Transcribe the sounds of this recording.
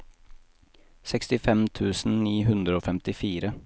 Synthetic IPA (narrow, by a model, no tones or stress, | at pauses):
sɛkst̪ɪfɛmt̪ʰʉːsn̩niːɦʉnd̪ɾəoːfɛmt̪ɪfiːɾə